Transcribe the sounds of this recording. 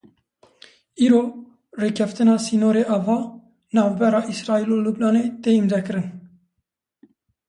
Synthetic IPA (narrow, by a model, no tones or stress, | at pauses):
iːɾoː | reːkʰɛft̪ɨnɑːsiːnoːɾeʔɑːvɑː | nɑːvbɛɾɑːʔisɾɑːiːloːlubnɑːneːt̪eːimd̪ɛkɨɾɨn